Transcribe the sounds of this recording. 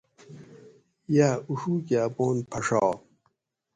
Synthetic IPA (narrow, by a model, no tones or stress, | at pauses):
jaːuʂuːkeɐboːnpʰɐʂɑː